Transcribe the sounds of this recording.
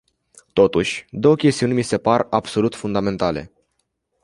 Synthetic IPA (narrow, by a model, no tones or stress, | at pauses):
t̪o̞t̪uʃʲd̪o̞wəkʲe̞st̪iunʲmise̞parabso̞lut̪fund̪ame̞nt̪ale̞̰